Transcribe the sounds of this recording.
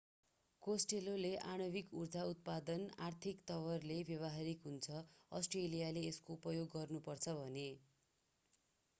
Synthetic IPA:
kosʈeloleʔaɽ̃ʌbikurd͡zaut̪̚pad̪ʌnart̪ʰikt̪ʌwʌrlebjʌβʌɦaɾikɦunt͡sʰʌʌsʈrelijaleːskoupʌjoɡːʌrnupʌrt͡sʰʌbʱʌne

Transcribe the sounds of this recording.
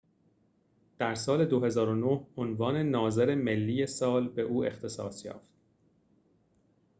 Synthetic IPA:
d̪̥æɾsɒːle̞d̪oɦe̞zɒːɾonohonvɒːne̞nɒːze̞ɾeme̞lːiːje̞sɒːlbe̞ʔuːe̞̰xt̪ʰe̞sɒ̰ːsjɒ̰ːft̪̚

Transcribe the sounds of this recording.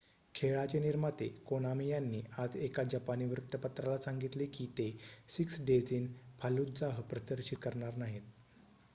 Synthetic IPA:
kʰeɭat͡ɕeniɾmat̪ekonamijanːiːad͡zekad͡ʑəpaniːʋɾukt̪əpat̪ɾalasaŋɡit̪lekit̪esiksɖed͡ziːnpʰalud̪d͡zaɦəpɾət̪əɾɕit̪̚kəɾɳaɾnaɦit̪

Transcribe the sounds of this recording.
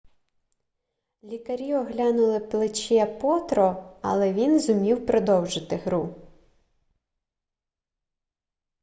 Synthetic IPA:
lʲikɐɾʲiɔɦlʲanʊlˠɪplˠɪt͡ʃɛpɔt̪ɾɔɐ̰lˠɛʋʲinzʊmʲiwpɾɔd̪ɔwʒɪt̪ɪɦɾu

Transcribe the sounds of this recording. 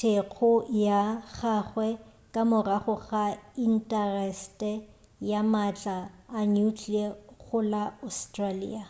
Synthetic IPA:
tʰek͡xʰʊjaχaχwɛ | kʼamʊraχʊɣain̩tʼɛrɛstʼɛ | jamat͡ɬʼaːnukʰiaɣʊlaɔstralḭːa

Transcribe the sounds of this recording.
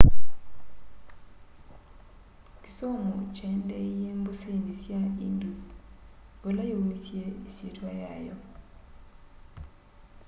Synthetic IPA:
ki̥somut͡ʃʰɛndɛjembusendisjaḭndus | bɔlajowmisiɛisitʰwajaːjɔ̰

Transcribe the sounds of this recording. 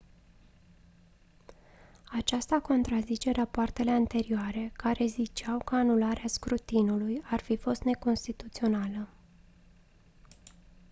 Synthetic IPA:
at͡ʃast̪ako̞nt̪ɾazit͡ʃe̞rapoart̪e̞le̞ant̪e̞ɾioaɾe̞kaɾe̞zit͡ʃawkəanulaɾeaskɾut̪inulujarfifo̞st̪ne̞ko̞nst̪it̪ut̪sio̞nalə

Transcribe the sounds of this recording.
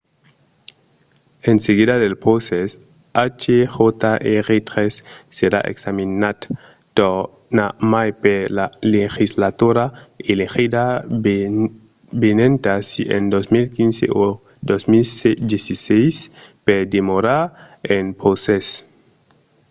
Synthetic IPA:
enseɣiðaðelpɾoses | at͡ʃexot̪aʔeɾet̪ɾesːeɾa̰ʔḛksaminat̪ | t̪o | namajpelalexislat̪uɾaelexida | benẽnt̪asiḛnd̪osmilkinsḛo | d̪osmilsed̪jesisejsped̪emoɾaɾ | enpɾoses

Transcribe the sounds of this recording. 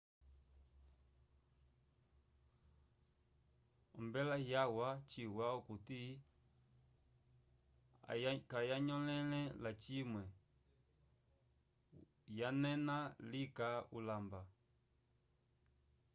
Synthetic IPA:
ɔ̰mbɛlaɦjawat͡ʃiwaukuti | kajaɲɔlɛlɛlat͡ʃimwɛ | janɛnalikaulamba

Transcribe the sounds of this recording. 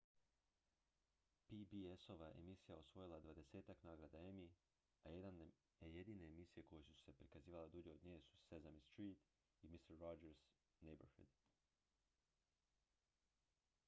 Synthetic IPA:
pibieso̞ʋaʔḛmisijaosʋo̞jilˠad̪ʋad̪e̞se̞ːt̪aknaːɡɾad̪ae̞mi | ajed̪an | eje̞d̪iːne̞ːmisije̞ko̞jesuse̞pɾikaziːʋaled̪uːd͡ʑe̞od̪ɲejesu̥sezamist̪ɾiːt̪ | imist̪ɾːod͡ʒeɾz | nejbeɾhḭd̪

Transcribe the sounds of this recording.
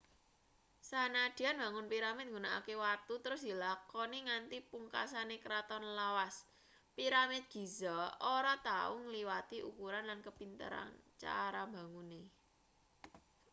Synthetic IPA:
sanad̪̥ianba̤ŋʊnpiɾamɪt̪̚ŋɡunaʔa̰kewart̪ut̪əɾʊsd̪̥i̤lakɔniŋant̪ipuŋka̰sanekəɾat̪ɔnlawas | piɾamɪt̪̚ɡ̥i̤zɔoɾɔt̪a̰uŋəliwat̪iʔukuɾanlankəpint̪ə̰ɾa̰nt͡ʃa̰ɾamba̤ŋune

